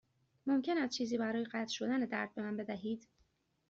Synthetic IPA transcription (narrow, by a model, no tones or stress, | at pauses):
momcʰe̞næst̪̚t͡ʃʰiːziːbæɾɒːjeɢæt̪ʰʃo̞d̪æned̪æɾd̪̥̚be̞mænbe̞d̪æɦiːd̪̥